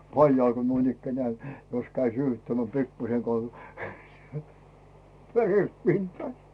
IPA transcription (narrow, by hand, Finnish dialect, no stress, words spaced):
pɑljɑil ko nuinikːænĕæˑ jos kæi syːhytːæmːĕæˑ pikːuseŋkoɑˑ ʋeret pintɑː